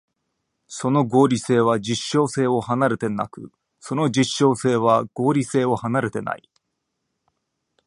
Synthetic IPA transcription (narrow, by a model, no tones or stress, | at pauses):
so̞no̞ɡo̞ːɾʲise̞ːβ̞ad͡ʑiɕːo̞ːse̞ːo̞hanaɾe̞t̪e̞na̰kɯ̟ | so̞no̞d͡ʑiɕːo̞ːse̞ːβ̞aɡ̥o̞ːɾʲise̞ːo̞hanaɾe̞t̪e̞na̰i